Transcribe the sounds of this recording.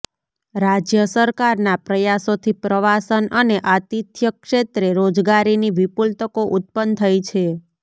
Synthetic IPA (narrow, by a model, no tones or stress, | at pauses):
ɾad͡ʒjəsəɾkaɾnapɾəjasot̪ʰipɾəʋasənəneʔat̪it̪ʰjəkʃet̪ɾeɾod͡ʒɡaɾiniʋipult̪əkoʔut̪̚pənt̪ʰəjt͡ʃʰe